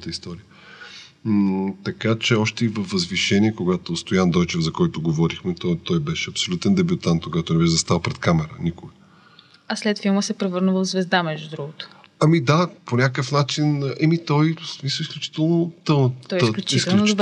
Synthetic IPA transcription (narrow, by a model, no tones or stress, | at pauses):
t̪əist̪ɔɾiə | t̪ɐkat͡ʃɛɔʃt̪ɛivəfvəzviʃɛnʲiɛkoɡat̪ost̪ojand̪ɔjt͡ʃɛvzɐkɔjt̪oɡovɔɾixmɛt̪ɔt̪ɔjbɛʃɛɐpsolʲut̪ɛnd̪ɛbʲjut̪ant̪̚koɡat̪onɛbɛʃɛzɐst̪alˠpɾɛt̪kamɛɾənikoə | ɐslɛt̪filˠməsɛpɾɛvɤɾnəvəvzvɛzd̪amɛʒd̪ud̪ɾuɡʊt̪ʊ̥ | ɐmid̪aponʲakəfnat͡ʃinʔɛmit̪ɔjsmisəisklʲut͡ʃi̥t̪ɛlˠnot̪ət̪ɔjsklʲut͡ʃisɛ